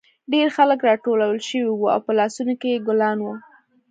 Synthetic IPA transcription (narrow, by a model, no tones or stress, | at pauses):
ɖeɾxaləkɾɑʈolawəlʃəwiwua̰wpəlɑsunokejeɡʊlɑnwu